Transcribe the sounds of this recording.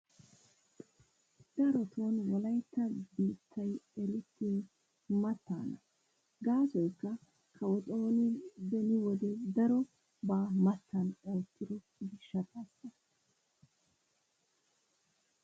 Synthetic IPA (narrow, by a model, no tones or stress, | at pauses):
d̪̥ɐɾɔt̪ʰoːnwɔlɐjt̪ːɐbiːt̪ʰːɐjɛlɪt̪ːiː | mɐt̪ːa̰ːnɐ | ɡaːsɔjkːɐ | kʰɐwɔtʼoːnɪbɛnɪwɔd̪ɛd̪ɐɾɔ | baːmɐt̪ʰːɐnɛːt̪ːɪd̪ɔ | ɡɪʃɐt̪ʼɐsɐ